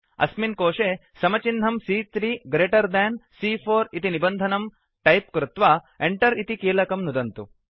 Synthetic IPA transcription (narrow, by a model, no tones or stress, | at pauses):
ɐ̰sminkoːʂeː | sɐmɐt͡ʃinɦɐmsiːt̪ɾiːɡɾeːʈɐɾd̪ɛːnsiːpʰoːɾit̪inibɐnd̪ʱɐnɐm | ʈɐjp̚kɾut̪ʋaː | eɳʈɐɾit̪ikiːlɐkɐmnud̪ɐnt̪u